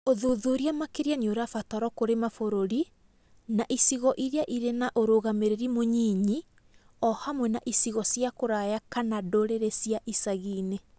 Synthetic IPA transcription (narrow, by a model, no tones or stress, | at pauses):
oðoðoɾiamakeɾiaɲoɾafatɔɾɔkoɾemafoɾoɾi | naʔisiɣɔʔiɾeaʔiɾenaʔoɾoːɣameɾeɾimoɲiːɲi | ɔhamwɛnaʔisiɣɔsjakoɾajakanadoɾeɾesiaʔisaɣiːne